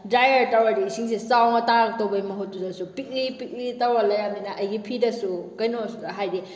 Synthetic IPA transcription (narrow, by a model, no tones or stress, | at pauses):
dajɐɾtawɐdisiŋsesawŋɐtak̚towbɐjmɐɦut̚ːuzɐsupik̚lipik̚litawalɐjamdinɐʔɐjɡipʰidɐsukɐjnoɦajdi